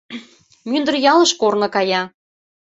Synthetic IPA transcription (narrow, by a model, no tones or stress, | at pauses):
mynd̪ə̆rjɑlɤ̆ʃkornɤ̆kɑjɑ